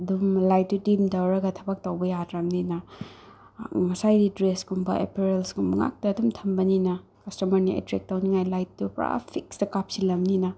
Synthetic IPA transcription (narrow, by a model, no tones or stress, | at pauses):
ɐdumlajt̚ːdudimdɐwɾɐɡɐtʰɐbɐk̚tɐwbɐjadɾɐmninɐ | ŋɐsajɾidɾesɡumbɐ̰ʔḛpeɾelsɡumɐŋa̰k̚tɐːdumtʰɐmbɐninɐ | kɐstɐmɐɾniḛtɾek̚tɐwniŋajlajt̚ːupɾa̰pʰiksdɐkap̚silɐmninɐ